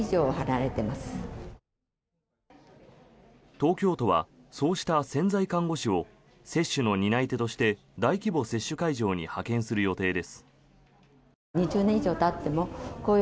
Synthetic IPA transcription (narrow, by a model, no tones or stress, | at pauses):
iʑo̞ːhanaɾe̞t̪e̞masɨ̥ | t̪o̞ːkʲo̞ːt̪o̞βa̰so̞ːɕi̥t̪asẽ̞nd͡zaikãŋɡo̞ɕio̞ | se̞ɕːɨno̞ɲ̟inait̪e̞t̪o̞ɕi̥t̪e̞ | d̪aikʲibo̞se̞ɕːɨkaiʑo̞ːɲ̟ihakẽ̞ɰ̃sɨɾɯ̟jo̞t̪e̞ːd̪e̞sɨ̥ | ɲiʑɨːnẽ̞iʑo̞ːt̪at̪ːe̞mo̞koː